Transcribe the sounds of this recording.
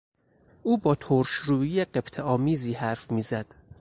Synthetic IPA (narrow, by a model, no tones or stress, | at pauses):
ʔuːbɒːt̪ʰoɾʃɾuːiːjeɢebt̪ʰeɒːmiːziːɦæɾfmiːzæd̪̥